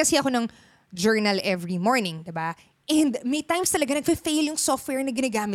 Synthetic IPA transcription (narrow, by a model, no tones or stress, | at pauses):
kɐsɛɐko̞nɐŋ | d͡ʒɛɹnɐlʔɛvɹimoɹnɪ̃ŋd̪ɪba | ʔɛ̃nd̪mɐjt̪ajmst̪ɐlɐɡanɐɡ̚pɐfejljʊŋsoft̪̚wɛɹnɐɡɪnaɡaːmɪ